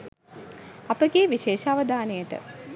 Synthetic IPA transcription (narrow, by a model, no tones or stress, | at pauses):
apəɡeːʋiʃeːʃaʋəd̪aːnejəʈə̰